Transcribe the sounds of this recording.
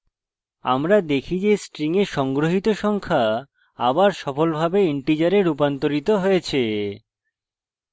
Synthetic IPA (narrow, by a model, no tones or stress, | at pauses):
a̰mɾad̪ekʰid͡ʑesʈɾiŋeɾʃɔŋɡɾoɦit̪oʃɔŋkʰa | a̰baɾʃɔfolbʱabeiɳʈid͡ʑaɾeɾup̬ant̪oɾit̪oɦojet͡ɕʰe